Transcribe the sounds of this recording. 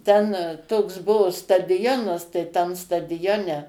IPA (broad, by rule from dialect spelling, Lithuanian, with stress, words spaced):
tʲɛn toːks ˈbʊʋoː stɐdʲɪˈjoːnɐs tɐɪ ˈtʲɛn stɐdʲɪˈjoːnʲɛ